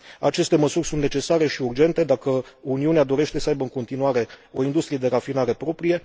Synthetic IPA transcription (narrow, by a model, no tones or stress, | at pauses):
a̰t͡ʃe̞st̪e̞məsurʲsunt̪ne̞t͡ʃe̞saɾe̞ʃiurd͡ʒe̞nt̪e̞d̪akəuniunead̪o̞ɾe̞ʃt̪e̞səajbəɨŋko̞nt̪inuaɾe̞o̞ind̪ust̪ɾije̞d̪e̞ɾafinaɾe̞pɾo̞pɾije̞